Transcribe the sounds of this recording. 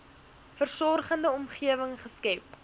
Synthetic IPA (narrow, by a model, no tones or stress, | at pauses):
fərsɔrχəndəɔmχiəvəŋχəskɛp